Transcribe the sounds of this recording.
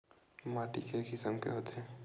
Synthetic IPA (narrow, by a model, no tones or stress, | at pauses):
maːʈikekɪsəmkḛɦoːt̪ɛː